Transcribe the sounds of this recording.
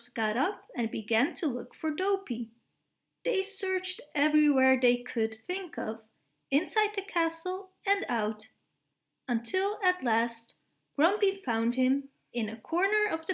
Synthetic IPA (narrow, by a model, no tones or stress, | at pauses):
zɡ̥ɑɾʌpɨ̃nbɨɡæ̃ntʰəlʊkfə˞doʊpi | ðeɪsɜ˞t͡ʃtɛvɹiwɛɹðeɪkʰɨd̪̚θɪ̃ŋkʌv | ɨ̃nsaɪd̪̚ðɨkʰæsl̩ˠ | ɨ̃naʊɾ | ə̃ntʰɪlˠɨtˡlæst̚ | ɡ̥ɹʌ̃mbifãʊ̃nd̚hɪ̃m | ɨ̃nɨkʰɔɹnə˞ʌvðɨ